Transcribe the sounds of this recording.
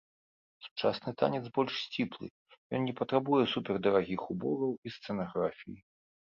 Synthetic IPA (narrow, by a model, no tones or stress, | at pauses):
su̥t͡ʂasnɨt̪a̰nʲɛt̪zbɔlʲʂsʲt͡sʲiplˠɨ̰ | jɔ̰nnʲɛpɐt̪ɾabujɛsupʲɛrd̪ɐɾaɣʲixubɔɡɐwist̪sɛnaɣɾafʲiji